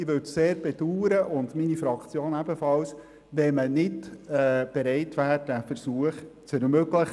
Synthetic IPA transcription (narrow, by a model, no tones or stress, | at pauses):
ɪʋɵtseːɾb̥ɛd̥uːɾəʔʊndminifɾɑkt͡sjoːnæb̥əfɑls | ʋɛmənɪdɛb̥ɛɾɛɪtʋæːɾd̥æfɛɾsuːəχt͡sɛɾmøɡləχ